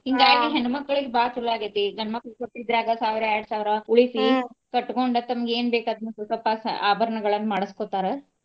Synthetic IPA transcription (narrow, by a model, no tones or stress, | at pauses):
hiŋɡaːiʈːiɦenumɐkːɐɭiɡebaːt̪ulaːɡɐt̪ːiɡʱɐnmɐkːɐɭkoʈːid̪ɾaːɡɐsaːʋiɾɐɐɾɽɐsaːʋiɾɐuɭifikɐʈːkoɳɖɐt̪ɐmɐɡeeːnbeːkaːd̪ɐnɐsusɐpːɐsaːbʱɐɾɐɳɐɡɐɭɐnːmaːɽɐskoːt̪aːɾe